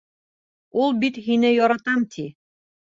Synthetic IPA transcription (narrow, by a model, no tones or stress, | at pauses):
ulˠbit̪hinɘjɒɾɑt̪ɑmt̪ʰi